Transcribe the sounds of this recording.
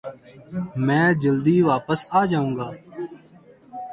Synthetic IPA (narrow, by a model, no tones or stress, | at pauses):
mɛ̃ːd͡ʒəld̪iːʋaːpəsaːd͡ʒaːũːŋɡaː